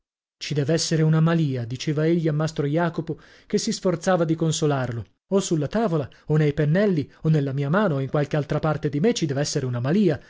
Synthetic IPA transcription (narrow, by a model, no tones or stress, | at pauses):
t͡ʃid̪ɛːvɛsːeɾeunamaliːad̪it͡ʃeːvaeʎːiamːast̪ɾojaːkopo | k̟esːisfort̪saːvad̪ikonsolarlo | osulːat̪aːvola | onejpenːɛlːionːelːamiːamaːnoiŋkwalkealt̪ɾapart̪ed̪imet͡ʃid̪ɛːvɛsːeɾeunamaliːa